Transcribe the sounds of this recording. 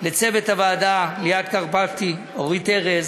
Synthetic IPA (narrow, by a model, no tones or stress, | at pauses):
let͡sevethavaːdalejad̪kaʁpavt̪i | ovʁiteʁez